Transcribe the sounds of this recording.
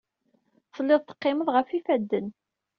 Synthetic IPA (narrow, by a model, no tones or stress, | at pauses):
θəlːɪðˤt̪ə̥qːɪməðˤʁəfifæd̪ːən